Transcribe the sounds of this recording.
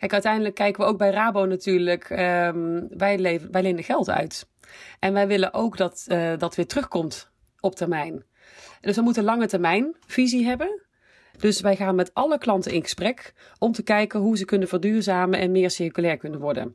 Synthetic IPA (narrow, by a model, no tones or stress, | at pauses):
kɛjkœɥtɛjndələkːɛjkəʋəowɡ̚bɛjraːbownatyːɹləkəʋɛjleʋɛjlejnəɣɛlˠtœ̰ɥt | ʔɛnʋɛjʋɪlənʔowkdɑtdɑtʋɪːtrɵχkɔmt | ɔp̚tɛɹmɛjn | dɵsʋɛjmutənlɑŋətɛɹmɛjnv̥iziɦɛbə | d̥ɵsʋɛjχaːnmɛtɑləklɑntənɪ̰nχə̥sprɛk | ɔmtəkɛjkənɦuzəkɵnənvəːɹdyːɹzaːməʔɛ̰nmɪːɹsɪrəkylɛːɹkɵnənʋɔɹdə̰n